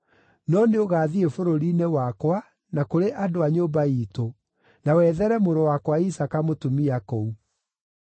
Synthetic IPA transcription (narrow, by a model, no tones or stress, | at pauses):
nɔneoɣaːðiefoɾoɾinewakwa | nakoɾeʔadoaɲoːbaiːto | nawɛðɛɾɛmoɾowakwaisakamotumiakɔu